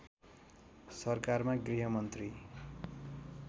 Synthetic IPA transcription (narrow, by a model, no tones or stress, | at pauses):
sʌrkarmaɡriɦʌmʌnt̪ri